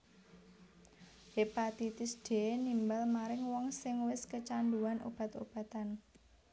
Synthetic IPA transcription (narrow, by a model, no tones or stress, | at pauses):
hepat̪it̪ɪsd̥e̤enimbalmaɾɪŋwɔŋsɪŋwɪskət͡ʃand̪uanʔo̰b̥a̤t̪ob̥a̤t̪an